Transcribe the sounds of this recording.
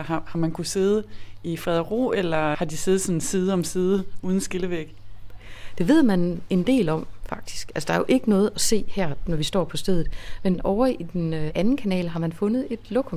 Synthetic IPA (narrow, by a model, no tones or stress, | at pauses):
ɑhɑ̈mænkʰuse̝ːð̞̩ˠəifʁɛð̞ˠɐʁo̝̰ːelɐhɑ̈d̥ise̝ːð̞̩ˠsɒ̽n̩siːð̞ˠɒ̽msiːðˠəuːð̞ˠn̩sɡ̥e̝ləʋeɡ̥ | d̥e̝ʋe̝ð̞̰ˠmæne̝nd̥e̝̰ːlɒ̽m̰fɑ̈ɡ̥̚d̥i̥sɡ̥ælsəd̥ɑ̈ɐjo̝ʔe̝ɡ̥ənɔ̽ːð̞̩ˠæse̝̰ːhæɐ̰nɒʋisd̥ɒ̰ːpʰɒ̽sd̥eð̰ˠð̩ˠmenɒʊɐid̥enænn̩kʰænɛ̰ːlɦɑ̈mænfɔ̽nəð̞̩ˠe̝d̥lɔ̽kʰɒ